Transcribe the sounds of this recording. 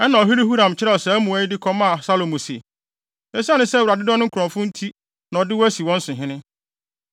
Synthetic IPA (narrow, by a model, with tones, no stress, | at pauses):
ɛ˦nã˨ɔ˨ɦi˦li˦hu˦ɾã˨mt͡ɕʰɪ˦ɾɛ˦˨ɔ˨sɛ˨æ˦mũ˨æ˦ɪ˦dɪ˦kʰɔ̃˦mã˦a˨sa˦lo˨mũ˨si˨ | ɛ˦si˦a˦nʊ̃˦sɛ˦wɾa˨dɪ˦dɔ̃˦n˦ʊ̃˦ŋ̩˦kʰʊ˨ɾɔ̃˨fʊ̃˦n̩˦tʰi˦ | nã˨ɔ˨dɪ˦wɔ˦æ˦si˨wɔ̃˦n̩˦sʊ̃˨ɦɪ̃˦nɪ̃˦